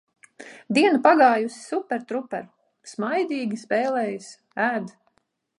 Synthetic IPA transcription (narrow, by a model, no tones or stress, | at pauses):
d̪iɛnupaɡaːjusi̥supːɛɾt̪ɾupːɛɾ | smajd̪iːɡʲispɛːlɛːjus | æːd̪